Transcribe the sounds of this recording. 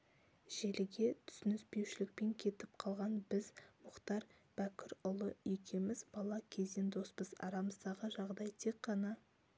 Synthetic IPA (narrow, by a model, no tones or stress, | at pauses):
ʒ̥e̞lɪɡʲe̞t̪ʰʏ̥sɪnɪspe̞wʃɪlɪk̚pe̞ŋkʲʰe̞t̪ɪp̚qʰɑlˠʁɑnbɪzmʊqt̪ɑɾ | b̥ækʲɪɾʊlˠəikʲʰemɪzbɑlˠɑkʲʰe̞ze̞nd̪o̞spəzɑ̰ɾɑməzd̪ɑʁəʒɑʁd̪ɑjt̪ʰe̞kqːɑnɑ